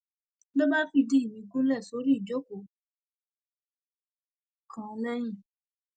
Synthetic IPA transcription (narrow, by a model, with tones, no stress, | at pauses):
lo˦ba˦fi˧di˦i˦˨mĩ˨˦kũ˦lɛ˦˨so˨˦ɾi˦i˨d͡ʒo˦ko˨ | kʰã˨˦lɛ̃˦j̃ĩ˦˨